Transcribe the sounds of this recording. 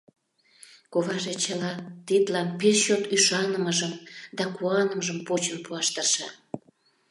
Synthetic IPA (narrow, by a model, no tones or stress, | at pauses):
koβɑʒet͡ɕəlɑt̪it̪lɑnpesɕot̪yʃɑnəməʒəmd̪ɑkuɑnəməʒəmpot͡ɕənpuɑʃt̪ərʃɑ̰